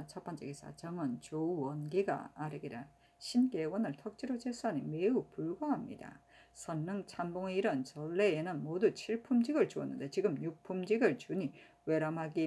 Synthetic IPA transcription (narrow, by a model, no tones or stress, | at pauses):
t͡ɕʰʌp͈ʰʌnt͡ɕʰeɡis͈ʰa̰t͡ɕʌŋɯnt͡ɕouwʌnɡiɡa̰aɾɯɡiɾa | ɕʰinkewʌnɯɭtʰʌk̚t͡ɕ͈iɾod͡ʑes͈ʰaɲimeupuɭɡʌɦamɲḭda̰ | sʰʌnːɯŋt͡ɕʰamboŋeiɾʌnt͡ɕʌɭːe̞enɯnmodut͡ɕʰiɭpʰumd͡ʑiɡɯɭt͡ɕuʌnːɯ̰ndet͡ɕiɡɯmɲuk̚pʰumd͡ʑiɡɯɭt͡ɕuɲi | we̞ɾamɦaɡi